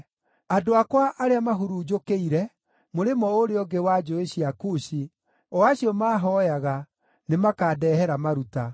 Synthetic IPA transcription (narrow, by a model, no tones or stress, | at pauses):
adoakwaʔaɾeamaɦuɾuːd͡ʒokeiɾɛ | moɾemɔoɾeɔɡewad͡ʒoeɕiakuɕi | ɔaɕiɔmaːɦɔjaɣa | nemakaːdɛːhɛɾamaɾuta